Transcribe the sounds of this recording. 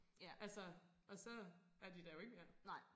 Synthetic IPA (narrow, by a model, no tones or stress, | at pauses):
ʔælsɐ | ɒ̽sɒ̽ | æɐd̥id̥æjo̝e̝ɡ̥əmeɐnaɪ̰